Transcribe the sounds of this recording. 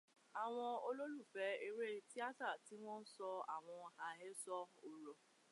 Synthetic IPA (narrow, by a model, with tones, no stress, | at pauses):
a˨w̃ɔ̃˧o˧lo˦lu˦˨fɛ˨˦e˧ɾe˦ti˦a˦ta˦˨ti˦w̃ɔ̃˦n̩˦sɔ˧a˨w̃ɔ̃˧˨ha˧ɦɛ˦sɔ˦o˧ɾɔ˨